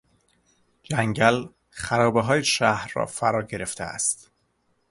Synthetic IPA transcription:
d͡ʒæŋɟæl | xæɾɒːbeɦɒːjeʃæhɾːɒ̰ːfæɾɒːɟe̞ɾe̞ft̪ʰḛæ̰st̪

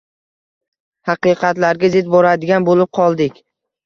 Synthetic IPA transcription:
hɑqɨqʰɑt̪laɾɡʲazɪd̪̚bɒɾad̪ɪɡʲanbolɪp̚qʰɒlˠd̪ɪkʲ

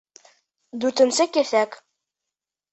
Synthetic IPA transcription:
d̪ʉɾt̪ɘ̆nsɘkæθæk

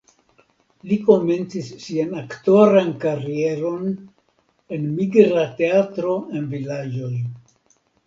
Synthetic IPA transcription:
liko̞me̞nt͡sisːianakto̞ɾankaɾie̞ɾo̞n | e̞nmiɡɾate̞atɾo̞e̞nvilad͡ʒo̞j

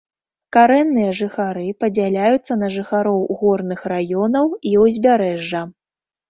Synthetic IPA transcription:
kaɾɛnːɨjɐʐɨxaɾɨpɐd͡zʲalʲajut̪sːɐnɐʐɨxaɾɔwɣɔrnɨxrajɔnɐwiwzʲbʲaɾɛʐːɐ

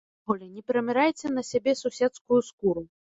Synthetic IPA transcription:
ɣɔlʲɛnʲɛpʲɛɾɐmʲɛɾajt͡sʲɛnɐsʲabʲɛsusʲɛt̪skujuskuɾu

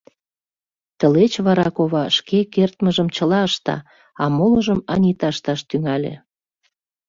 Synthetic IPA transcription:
t̪ə̆let͡ɕβɑɾɑkoβɑʃkekert̪məʒəmt͡ɕəlɑəʃt̪ɑ̰ | ɑmoləʒəmɑnʲit̪ɑʃt̪ɑʃt̪yŋælʲḛ

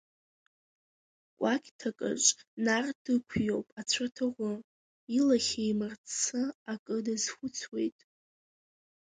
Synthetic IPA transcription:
kʷʼakʲʼtʰakʼɨ̰ʐʼnardɨkʷʰjo̞wpʼat͡ɕʷʰatʰɨʁʷʊ | ilaχʲejmɨrt͡sʰɨakʼɨdazχʷʊt͡sʰwe̞jtʼ

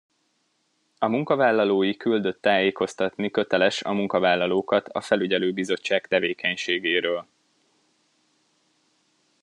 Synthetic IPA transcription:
ɒmuŋkɒvaːlːɒloːjikyld̪ø̞t̪ːaːjeːko̞st̪ɒt̪nikø̞t̪ɛlɛʃɒ̰muŋkɒvaːlːɒloːkɒt̪ʰɒ̰fɛlyɟɛløːbizo̞t͡ʃːaːkt̪ɛveːkɛɲʃeːɡeːɾøːl

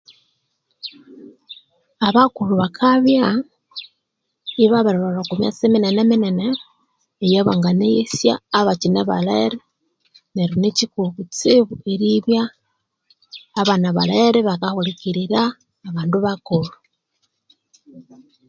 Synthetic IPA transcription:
aβakuluβakʰaβja | iβaβaɾoβalakumja̰t͡seminenemineneː | jeβaŋɡaneisja̰ːβacineβa̰laeɾe | neɾinecikuβut͡siβueɾiβja | βanaβalaeɾeβakahulikiɾiɾaː | βaːnduβakulu

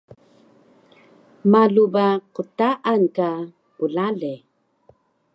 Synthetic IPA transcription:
maɮubaqutaʔanka | ulaɮe

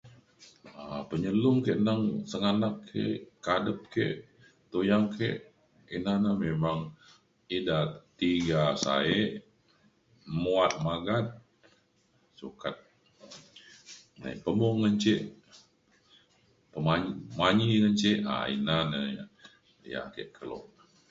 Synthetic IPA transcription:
apəɲəlʊŋkeʔnaŋsəŋanakʰːḛʔkadəp̚kḛʔ | t̪ojaŋkʰḛʔ | inanəmemaŋ | idat̪iɡasa̰eʔ | muat̪̚maɡat̪̚ | sukat̪̚ | na̰ipəmɔŋŋənt͡ʃeʔ | pəmaɲmaɲiŋənt͡ʃeʔa̰ḭnanəja̰ | ja̰kḛʔkʰəlɔ̰ʔ

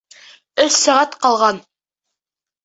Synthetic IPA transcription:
ɵssæʁæt̪qɑlˠʁɑn

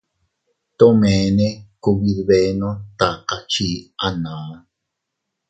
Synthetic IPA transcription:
t̪omenekuwiɾβenot̪aqat͡ʃiʔana

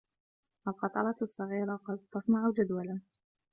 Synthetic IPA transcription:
ʔalqɑt̪ˤɑɾˤɑt̪sˤːɑɣiːɾɑqɑd̪̚t̪ɑsˤnɑʕʊd͡ʒad̪walan

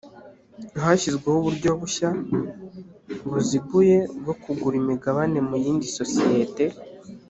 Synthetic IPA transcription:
ɦaçizɡwehuβuɾɟo̞βuʃa | ŋɡozibuje̞ɡo̞kuɡuɾimiɡaβane̞mujiːndiso̞sije̞te̞

